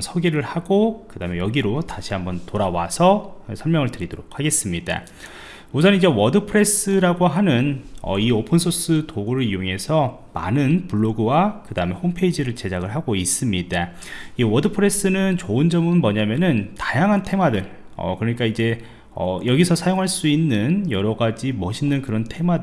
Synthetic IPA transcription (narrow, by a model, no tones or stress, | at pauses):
sʰʌɡiɾɯɭhaɡokɯdaɯmejʌɡiɾotaɕʰiɦambʌntoɾawa̰sʰʌsʰʌɭmjʌŋɯɭtɯɾidoɾok̚ʰhaɡe̞s͈ɯmɲida̰ | musʰʌnid͡ʑe̞wʌdɯpʰɯɾe̞s͈ɯɾaɡoɦanɯnʌ̰iopʰɯnsʰos͈ʰɯtoɡoɾɯɾijoŋe̞sʰʌ | ma̰nɯnpuɭːoɡɯwakɯdaɯme̞hompʰe̞id͡ʑiɾɯɭt͡ɕe̞d͡ʑaɡɯɭɦaɡois͈ɯmɲida | iwʌdɯpʰɯɾe̞s͈ɯnɯnt͡ɕoɯnd͡ʑʌmɯnmʌɲamjʌnɯntḁjaŋɦantʰe̞mwadɯɭ | ʌ̰kɯɾʌɲik͈aid͡ʑe̞ | ʌ̰jʌɡisʰʌsʰajoŋɦaɭs͈uinːɯnjʌɾʌɡad͡ʑimʌɕʰinːɯnkɯɾʌntʰe̞mwadɯ